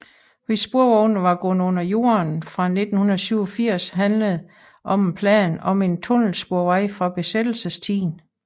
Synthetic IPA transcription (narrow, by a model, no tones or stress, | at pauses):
ʋisb̥uɐʋɒʊnʋɑ̈ɡ̥ɔ̽nəɔ̽n̰ɐjo̝̰ɐnfʁɑ̈ne̝d̥n̩hunɐð̩ˠsyʊɒfiɐ̰sɦænləð̩ˠ | ʔɒ̽menpʰlɛ̰ːnɒ̽me̝nt͡sʰɔ̽nl̩sb̥uɐʋɑɪfʁɑ̈b̥e̝sed̥l̩səst͡sʰḭːn